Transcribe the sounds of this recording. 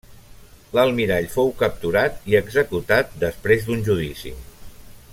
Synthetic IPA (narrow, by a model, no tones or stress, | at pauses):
ləlˠmiɾaʎfowkəp̚t̪uɾat̪iəɡzəkut̪at̪̚d̪əspɾezd̪unʲʒuð̞isḭ